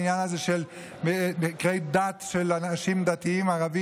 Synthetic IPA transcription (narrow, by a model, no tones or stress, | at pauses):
njanazeʃel | memikʁejd̪at̪ʃelanaʃimd̪at̪iimaʁavi